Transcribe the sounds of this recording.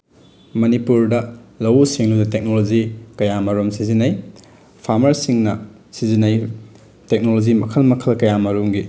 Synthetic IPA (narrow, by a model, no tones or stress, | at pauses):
mɐnipuɾdɐlɐwsiŋludɐtek̚nolod͡ʒikɐjamɐɾomsizinɐj | pʰaɾmɐɾsiŋnɐ | sizinɐj | tek̚nolod͡ʒimɐkʰɐlmɐkʰɐlkɐjamɐɾomɡi